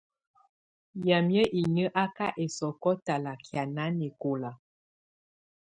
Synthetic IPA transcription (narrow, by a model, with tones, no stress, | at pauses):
ja˨mjə˦ʔi˨ɲə˦ʔa˦ka˦ʔe˨sɔ˨kɔ˦ta˨la˨kja˨na˨˦ne˨ko˨la˨